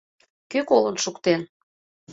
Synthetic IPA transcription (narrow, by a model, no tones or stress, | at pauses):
kykolənʃukt̪en